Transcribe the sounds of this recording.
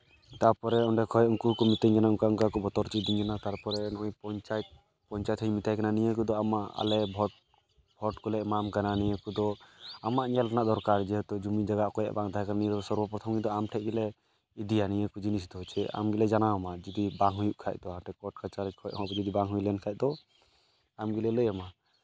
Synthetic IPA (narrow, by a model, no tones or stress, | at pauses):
t̪aɾpɔɾɛɔɳɖɛkʰɔjʔuŋkukɔmit̪ɛɲkanauŋkauŋkakɔbɔt̪ɔɾt͡ʃʰit̪̚d̪iɲkanat̪aɾpɔɾɛnɔʔɔjpɔɲt͡ʃajt̪̚ | pɔɲt͡ʃajt̪hɦɔjmit̪ajkananijəkud̪ɔamaʔa̰lɛbʱɔʈ | bʱɔʈkɔlɛmamkananijəkud̪ɔamaʔnialʈanaʔd̪ɔɾkaɾd͡ʒɛɦɔt̪ɔd͡ʒumid͡ʒaɡaʔkɔja̰ʔbaŋd̪aakananijəd̪ɔsɔɾbɔpɾɔt̪ʰɔmɡid̪ɔamʈʰɛʔɡɛlɛ | id̪ijanijəkud͡ʒinis̬it̪ɔɦɔt͡ʃʰɛa̰mɡilɛd͡ʒanaɔmad͡ʒɔd̪ibaŋɦujuʔkʰa̰c̚d̪ɔamʈʰɛkɔʈ̚kat͡ʃaɾikʰɔjɦɔbɔd͡ʒɔd̪ibaŋɦujlɛnkʰaj̚d̪ɔ | amɡilɛləjama